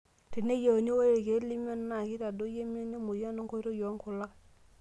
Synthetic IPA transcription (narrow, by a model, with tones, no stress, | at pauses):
ti˨ne˦je˨o˨ni˦we˦ɾi˨ɡe˨˦li˦m˦o˦n˦na˨ki˦ta˨do˦je˦mi˦o˦ni˦mo˨ja˦no˦ŋko˦ɾo˦jo˨˦ŋku˨la˦k